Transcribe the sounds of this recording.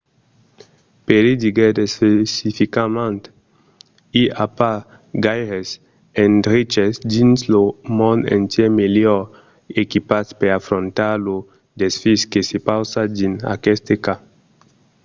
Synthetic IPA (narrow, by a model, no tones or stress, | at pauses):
peɾid̪iɡed̪espesifikamãnt̪ | iapa | ɡajɾes | ẽnd̪ɾit͡ʃesd̪inslomɔ̃nd̪ḛ̃nt̪jemeljɔɾ | ekipaspeɾafɾõnt̪aɾlo | d̪esfiskesepawsad̪ina̰kɛst̪eka